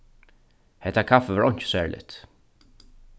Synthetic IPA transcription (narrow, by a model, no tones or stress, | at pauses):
hɛt̪ːakʰafəʋaɹɔɲ̥t͡ʃɪ̥sæːɹlʔɪ̰t̪